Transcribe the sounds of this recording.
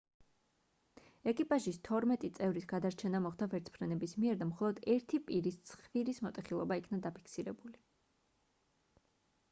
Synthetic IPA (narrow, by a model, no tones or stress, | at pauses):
ɛkʼipʼaʒist̪ʰɔɾmɛt̪ʼit̪sʼɛvɾisɡad̪aɾt͡ʃʰɛnamɔχd̪avɛɾt̪sʰpʰɾɛnɛbismiɛɾd̪amχɔlˠɔd̪ɛɾt̪ʰipʼiɾist̪sʰχviɾismɔt̪ʼɛχilˠɔbaikʰnad̪apʰi̥kʰsiɾɛbuli